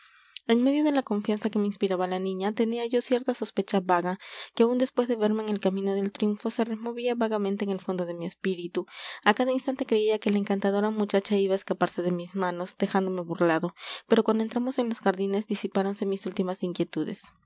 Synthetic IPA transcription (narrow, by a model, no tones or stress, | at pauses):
e̞ŋme̞ðjo̞ð̞e̞lako̞ɱfjansake̞me̞inspiɾaβalanĩɲat̪e̞niaʝo̞sje̞ɾt̪aso̞spe̞t͡ʃaβaɣakeaund̪espwe̞zðe̞βe̞ɾme̞ːŋelkamĩno̞ð̞e̞lt̪ɾjuɱfo̞se̞re̞mo̞βiaβaɣamẽnt̪eeːŋelfo̞nd̪o̞ðe̞mie̞spiɾit̪uakaðainst̪ant̪e̞kɾe̞iake̞laeŋkant̪að̞o̞ɾamut͡ʃat͡ʃaiβaeskapaɾse̞ð̞e̞mizmano̞szd̪exand̪o̞me̞βurlaðo̞pe̞ɾo̞kwand̪oent̪ɾamo̞se̞nlo̞sxaɾðine̞zðisipaɾo̞nse̞misult̪imasiŋkje̞t̪uðe̞̰s